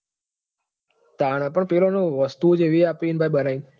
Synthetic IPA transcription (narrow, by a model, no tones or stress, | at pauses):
t̪aɽ̃ãpəɳpelonõʋəst̪ud͡ʒeʋiapinbʱajbənain